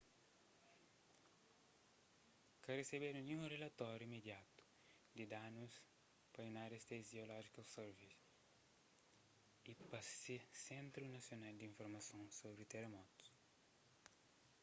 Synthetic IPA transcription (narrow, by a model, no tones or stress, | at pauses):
kɐresebeɾunĩũrelɐt̪ɔɾjuimed̪jat̪u̥ | d̪id̪anus | pɐinaɾest̪eziolɔʒikɐseɾvis | ipɐsesẽnt̪ɾunɐsjonald̪iĩɱfoɾmɐsõnsobɾit̪eremɔt̪u̥s